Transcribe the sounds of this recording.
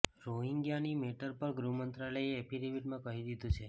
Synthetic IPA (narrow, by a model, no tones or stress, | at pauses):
ɾoɦiŋɡjanimeʈəɾpəɾɡɾumənt̪ɾaləeːpʰiɾiʋiʈmãkəɦid̪id̪ʱũt͡ʃʰe